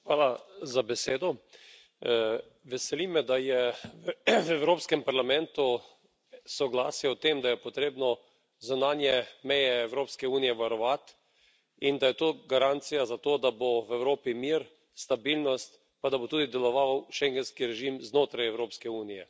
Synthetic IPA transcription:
xʋaːlazabɛseːd̪ɔ | ʋɛsɛlimɛd̪ajɛ | ɛwɾoːpskɛmpaɾlamɛnt̪u | sɔɡlaːsjɛwt̪emd̪ajɛpɔt̪ɾeːbnɔ | zunaːnjɛmɛjɛːwɾoːpskɛuːnijɛʋaɾɔʋat̪ | ind̪ajɛt̪oːɡaɾant̪sijazat̪oːd̪aboʋɛwɾoːpimiːɾ | st̪abilnɔst̪ | pad̪abot̪uːd̪id̪ɛlɔʋawʃɛŋɡɛnskiɾɛʒimznoːt̪ɾajɛwɾoːpskɛuːnijɛ

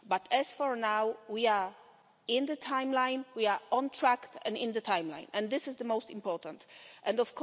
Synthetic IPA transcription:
batʰɛsfɔɹnawwia˞ | ɪ̃nðətʰãj̃mlãɪ̃nwiaɹɔ̃ntʰɹæktɛ̃nɪ̃nðətʰãj̃mlã̰ɪ̃nɛ̃nðɪsɨzðəmoʊstɪ̃mpɔɹtə̃ntʔɛ̃ndɔfkʰɔ

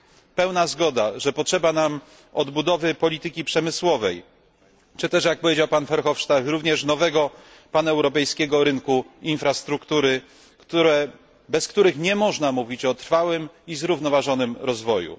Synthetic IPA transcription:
pɛwnazɡɔd̪aʐɛpɔtʂɛbanam | ɔd̪bud̪ɔvɘpɔlʲit̪ɘkʲipʂɛmɘswɔvɛj | t͡ʂɘt̪ɛʂjak̚pɔvʲjed͡ʑawpanfɛɾxɔfʂt̪akɾuvɲɛʂnɔvɛɡɔ | panaɛwɾɔpɛjskʲɛɡɔɾɘŋkuinfɾast̪ɾukt̪uɾɘ | kt̪uɾɛ | bɛskt̪uɾɘxɲɛmɔʐnamuvʲit͡ɕɔt̪ɾfawɘmizɾuvnɔvaʐɔnɘmɾɔzvɔjṵ

